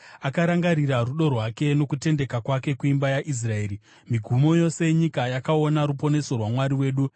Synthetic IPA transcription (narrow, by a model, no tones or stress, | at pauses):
akaɾaŋɡaɾiɾaruɗo̞rwake̞no̞kute̞nde̞kakwake̞kuimbajaʔis̬rae̞ːɾi | miɡʱumo̞jo̞se̞ɲikajakao̞naɾupo̞ne̞so̞rwamwaɾiwe̞ːɗu